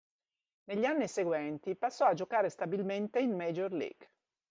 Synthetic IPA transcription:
neʎːanːiseɡwɛnt̪ipasːɔad͡ʒokaːɾest̪abilment̪einmed͡ʒorlḭːɡ

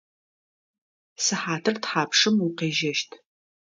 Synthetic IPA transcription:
sɨħaːtʰɨrtħaːpʂɨmuqeːʒɐʃtʰ

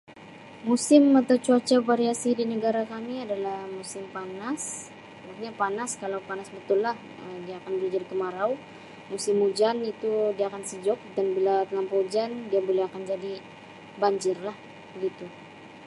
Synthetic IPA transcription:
musɪmat̪awt͡ʃuat͡ʃapaɾiasidinəɡaɾakamiadalahmusɪmpanas | wakɲapanaskalawpanasbət̪ʊlːah | əmdiaːkanbəɾud͡ʒadikəmaɾaw | musɪmud͡ʒanit̪udiaːkansəd͡ʒɔk̚danbilat̪əlampod͡ʒandiabolɛhakand͡ʒadi | baɲd͡ʒɪrlah | bəɡit̪u

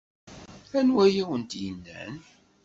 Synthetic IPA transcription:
ænwæjiwənt̪jənːæ̰n

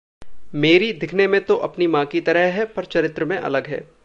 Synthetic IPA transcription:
meːɾid̪ɪkʰnemẽt̪oʔɐpnimãːkit̪ɐɾəɦɦɛpɐɾt͡ʃɐɾɪt̪ɾəmẽʔɐ̰ləɡɦɛ̰ː

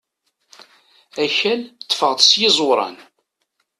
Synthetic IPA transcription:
æçælt̪ːəfəʁðˤsjɪzˤoɾˤɑ̰n

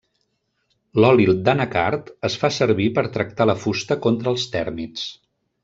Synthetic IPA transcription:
lɔlilˠd̪anəka̰ɾt̪əsfasəɾβipəɾt̪ɾək̚t̪aləfust̪əkont̪ɾəːlˠst̪ɛɾmis

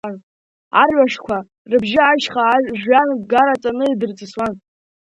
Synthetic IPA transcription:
n | arɥʷaʂkʷʰa | rɨbʒɪaʃχaʒʷanɡaɾat͡sʼanɨidɨrt͡sʼɨswan

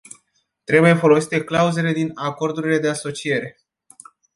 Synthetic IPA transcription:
t̪ɾe̞buje̞fo̞lo̞si̥t̪e̞klauze̞le̞d̪inako̞rd̪uɾile̞d̪e̞aso̞t͡ʃije̞ɾe̞

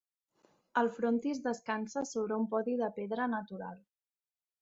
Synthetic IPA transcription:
əlˠfɾont̪izðəskansəsoβɾəumpɔðiðəpeðɾənət̪uɾa̰lˠ

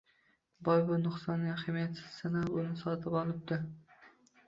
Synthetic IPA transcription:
bɒjbʊnʊχsɒnːɪaχɪmjat̪sɪ̥z̥ːɪnaʊnɪsɒt̪ʰɪpɒlˠɪp̚d̪ɪ

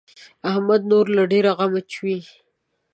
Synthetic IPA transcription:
ahmad̪̚noɾlaɖeɾaɣamat͡ʃʰwi

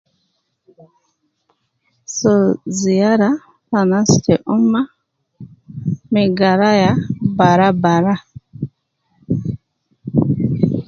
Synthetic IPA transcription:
sɔzijaɾa | fanastɛʔɔmːa | mɛɡaɾajabaɾabaɾa

